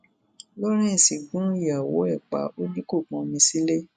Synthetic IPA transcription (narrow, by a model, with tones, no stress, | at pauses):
lɔ˦ɾ̃ɛ̃˦˨sĩ˨ɡũ˨˦i˦˨a˨wo̰˨˦ɛ˦˨k͡pa̰˨˦o˦nĩ˦ko˦˨k͡pɔ̃˨˧mĩ˧si˦le˦